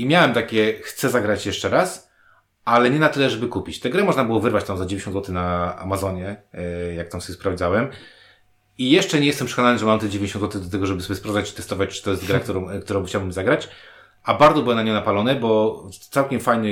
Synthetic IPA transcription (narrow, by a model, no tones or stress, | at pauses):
imʲjawɛmt̪akʲɛxt̪sɛzaɡɾat͡ɕjɛʂt͡ʂɛɾas | alɛɲɛnat̪ɘlɛʐɛbɘkupʲit͡ɕt̪ɛɡɾɛmɔʐnabɘwɔvɘɾvat͡ɕt̪amzad͡ʑevʲẽɲ̃t͡ɕːɔnzwɔt̪ɪnaa̰mazɔɲɛjak̚t̪amsɔbʲɛspɾavd̪zawɛm | ijɛʂt͡ʂɛɲejɛst̪ɛmpʂɛ̥kɔnanɘʐɛmamt̪ɛd͡ʑevʲjɲɕɔ̃nzwɔt̪ɘd̪at̪ɛɡɔʐɛbɘsɔbʲɛspɾavd̪at͡ɕt͡ʂɨt̪ɛst̪ɔvat͡ɕt͡ʂɨ̥t̪ɔjɛst̪ɡɾak̚t̪uɾɔ̃kt̪uɾɔ̃w̃xt͡ɕawbɘmzaɡɾat͡ɕ | ʔabaɾd̪zɔbɘwɛmnaɲɔ̃napalɔnɛbɔt̪sawkʲɛmfajnɛ